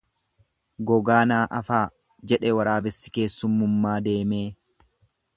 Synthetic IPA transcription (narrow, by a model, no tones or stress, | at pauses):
ɡɔɡaːnaːʔɐfaː | d͡ʒɛᶑɛwɐɾaːbɛsːɪ̥ke̞ːsːʊmːʊmːaːd̪e̞ːmeː